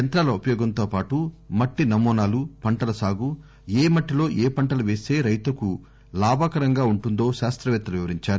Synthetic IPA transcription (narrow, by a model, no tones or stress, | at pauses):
ɐnt̪ɾaːlɐupɐjɔːɡɐnt̪o̞ːpaːʈumɐʈːinɐmɔːnaːlupɐɳʈɐlɐsaːɡu | eːmɐʈːilo̞ːʔeːpɐɳʈɐlɐʋe̞ːse̞ːɾɐjt̪ɐku | laːbʱakɐɾɐŋɡaːuɳʈund̪oːʃaːst̪ɾɐʋɛːt̪ːɐluʋiʋɐɾiɲt͡ʃaːɾ